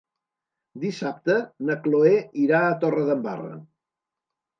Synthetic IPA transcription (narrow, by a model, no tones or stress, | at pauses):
d̪isap̚t̪ənəkloeiɾaət̪orəðəmba̰rə̰